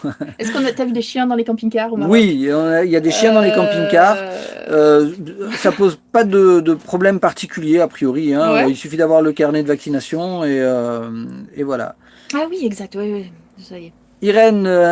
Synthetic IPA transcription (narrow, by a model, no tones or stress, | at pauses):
ɛskɔ̃nat̪yavyd̪eʃjɛ̃d̪ɑ̃lekɑ̃piɲkaʁuwiɔ̃nailjad̪eʃjɛ̃d̪ɑ̃lekɑ̃piɲkaʁø | sapozpad̪əd̪əpχɔblɛmpaʁt̪ikʲyljeapχijɔʁiɛ̃øilsyfid̪avwaʁləkaʁned̪əvaksinasjɔ̃eø | evwala̰ | awiɛɡzak̚t̪wiwi | usaje | iʁɛnø